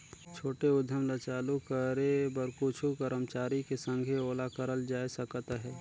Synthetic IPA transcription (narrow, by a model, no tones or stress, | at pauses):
t͡ʃʰoːʈeʊd̪ʱːəmlət͡ʃaːlukəɾebəɾkut͡ʃʰukəɾəmt͡ʃaːɾikesə̃ŋɡʱeoːlakəɾəld͡ʒaːisəkət̪ɦɛː